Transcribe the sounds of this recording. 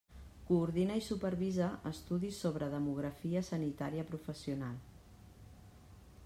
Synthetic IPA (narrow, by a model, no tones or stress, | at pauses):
kuːɾðinəisupəɾβizəʔəst̪uðisoβɾəðəmuɣ̞ɾəfiəsənit̪aɾiəpɾufəsiunalˠ